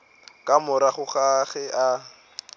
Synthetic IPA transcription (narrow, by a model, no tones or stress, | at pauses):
kʼamʊɾaχʊχaχɛʔa